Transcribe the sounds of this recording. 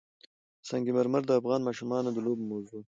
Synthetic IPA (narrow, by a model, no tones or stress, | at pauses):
sɑŋɡiməɾməɾd̪əafɣɑnmɑʃumɑnod̪əlobmawzu